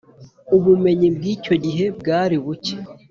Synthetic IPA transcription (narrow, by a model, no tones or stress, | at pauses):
uβume̞ɲibɡiːco̞ɟiɦe̞bɡaːɾiβuce̥